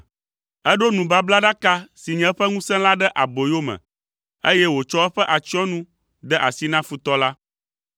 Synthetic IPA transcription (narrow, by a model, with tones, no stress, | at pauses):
ɛ˦ɖo˦nũ˨ba˦bla˦ɖa˦ka˦si˨ɲɛ̃˨˦ɸɛ˦ŋũ˦sɛ̃˦la˦ɖɛ˦ʔa˨bo˨jo˦mɛ̰̃˨ | e˦jɛ˦wo˨t͡ʃɔ˦ɛ˦ɸɛ˦ʔa˨t͡ʃi˦ɔ̃˦nũ˦ | d̪ɛ˦ʔa˨si˦nã˦fu˨t̪ɔ˦la˦